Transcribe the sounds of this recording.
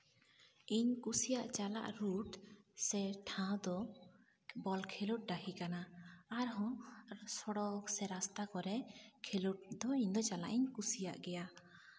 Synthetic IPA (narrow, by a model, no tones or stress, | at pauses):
iɲkusijaʔt͡ʃala̰ʔɾuʈsɛʈʰãd̪ɔ | bɔlkʰeluʈ̚ɖahikanaːɾɦɔ̃sɔɽɔksɛɾast̪akɔɾɛkʰeluʈ̚d̪ɔiɲd̪ɔt͡ʃala̰ʔiɲkusija̰ʔɡɛja